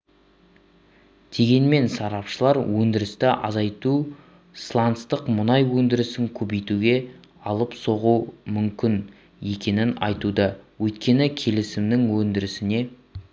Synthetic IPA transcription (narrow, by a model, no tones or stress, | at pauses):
d̪̥e̞ɡʲe̞nme̞nsɑɾɑpʃəlˠɑɾwɵnd̪ɪɾɪst̪ɪʔɑ̰zɑjt̪u | slˠɑnt̪st̪əqmʊnɑjwɵnd̪ɪɾɪsɪŋkʲʰɵbe̞jt̪uɡʲe̞ | ɑlˠəpso̞ʁumʏmkʲɪn | e̞kʲe̞nɪnɑ̰jt̪ud̪əwɵjt̪kʲe̞nɪkʲʰe̞lɪsɪmd̪ɪŋwɵnd̪ɪɾɪsɪne̞